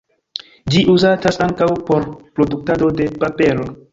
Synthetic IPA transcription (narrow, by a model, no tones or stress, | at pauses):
d͡ʒiʔuzatasaŋkawpo̞ɾpɾo̞duk̚tado̞de̞pape̞lo̞